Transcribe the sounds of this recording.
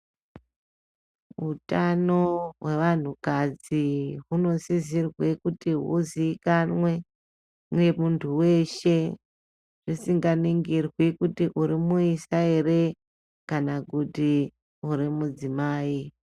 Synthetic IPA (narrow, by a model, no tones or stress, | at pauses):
ɦutano̞ɦwe̞ʋan̤ukad͡ziɦuno̞zizirwekutiɦṵziːkanwe̞ | mwe̞muntʰuwe̞ʃe̞ | ʐ̥isiŋɡaniŋɡirwikutiʔuɾimuisaere | kanakuti | uɾimud͡zimaːi